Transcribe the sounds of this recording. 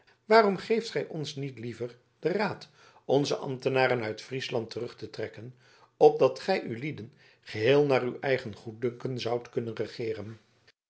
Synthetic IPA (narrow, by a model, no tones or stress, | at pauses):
ʋaːrɔmχejftχɛjʔɔnsnitlivər | d̥əraːt | ɔnzəʔɑ̰mtənaːɾənœɥtfrislɑntərɵχtətrɛkən | ɔb̚dɑtχɛjʔylidən | χəɦɪːlˠnaːrywɛjχənχut̚dɵŋkənzɑwtkɵnənrəχɪːrən